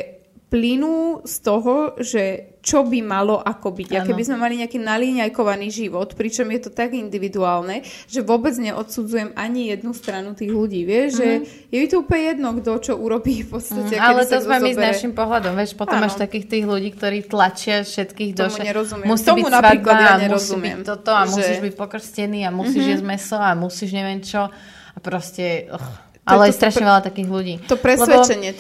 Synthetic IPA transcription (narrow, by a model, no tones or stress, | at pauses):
plinuːst̪ɔɦɔʒɛt͡ʃɔbimalɔʔakɔbiɟakɛbizmɛmaliɲɛakiːnaliɲajkɔʋaniːʒiʋɔt̪pɾit͡ʃɔmjɛt̪ɔt̪aɡind̪iʋid̪uaːlnɛ | ʒ̥ɛʋʊɔbɛd͡zɲɛʔɔt̪sud͡zujɛmaɲijɛd̪nust̪ɾanut̪iːɣluɟiːʋɪɛʒʒɛ | jɛit̪ɔuplɲɛjɛd̪nɔɡd̪ɔt͡ʃɔʔuɾɔbiːfpɔst̪ɛalɛt̪ɔzmɛmiznaʃimpɔɦlad̪ɔmʋjɛʃpɔt̪ɔmaʃt̪akiːxt̪iːɣluɟiːk̚t̪ɔɾiːt̪lat͡ʃɪafʃɛt̪kiːɣd̪ɔʃmɛɲɛɾɔzummusiːmbimavaid̪laaɲmmɾɔszimbiɛ̰tmt̪ɔt̪ɔamussiːʒbicpɔkr̩scɛniːamusiːʒjɛzmɛsɔamusiːʒɲɛʋɪɛnt͡ʃɔ | apɾɔscɛx | ʔalɛjɛst̪ɾaʃɲɛʋɛʎat̪akiːɣluɟiːt̪ɔpɾɛslɛɛɔɛɲɪɛ